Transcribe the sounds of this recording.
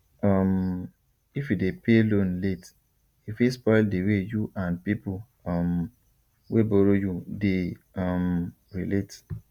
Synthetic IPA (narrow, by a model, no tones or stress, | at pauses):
ɔm | ifidepʰelõnlet | ifispɔɪldewejuʔãnpipul | ɔm | webɔɾojude | ɔm | ɾilet